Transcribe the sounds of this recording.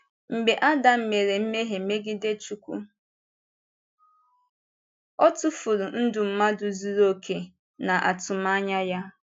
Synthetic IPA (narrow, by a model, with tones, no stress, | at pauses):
m̩˨ɡ͡be˨ʔa˦da˨m̩˨me˨ɾe˨m̩˦me˦ɦe˨˦me˦ɡɪ˦de˦t͡ʃu˨kʷṵ˦ | ɔ˦tʊ˦fʊ˨ɾu˨n̩˦dʊ˨m̩˨ma˦dʊ˨zi˦ɾo˦kʰe˨ | na˨ʔa̰˨tʊ˨ma˦ɲa˦ja˦